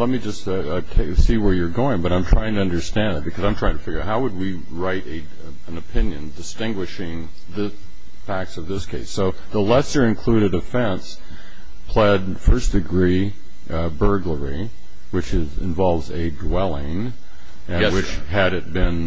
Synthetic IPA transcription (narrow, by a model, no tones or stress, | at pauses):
lɛt̚mid͡ʒʌst | tʰeɪsiwə˞jə˞ɡoʊɪ̃ŋbʌɾãɪ̃mtʰɹ̥aɪɪ̃ŋtɨʌ̃ndə˞stæ̃ndɨt̚b̥ɨkʰʌzãɪ̃tʰɹ̥aɪɪ̃tɨfɪɡjə˞aʊɦaʊwəd̚wi | ɹaɪɾɨ | ə̃nɨpʰɪ̃njɨ̃ndɨstɪ̃ŋɡwɨʃɪ̃ŋ | ðɪ | fæk̚tsʌvðɪskʰeɪsːoʊ | ðəlɛsə˞ɨ̃nkʰl̥ʉɾɨɾɨfɛ̃ns | pʰl̥ɛd̚ | fɜ˞sd̥ɨɡɹi | bɜ˞ɡlə˞i | wɨt͡ʃɪzɨ̰̃ɱvɑlˠvzɨdwɛlˠɪ̃ŋ | ɨ̃wɨt͡ʃ | ɨɾɨt̚b̥ɪ̃n